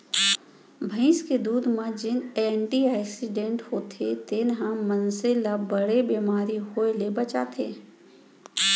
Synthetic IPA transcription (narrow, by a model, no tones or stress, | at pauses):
bʱə̃ɪ̃sked̪uːd̪mãd͡ʒɪneɳʈiaːksɪɖẽɳʈhoːt̪ʰet̪ɪnɦãmənselabəɽebeːmaːɾiɦoelebət͡ʃa̰t̪ʰḛː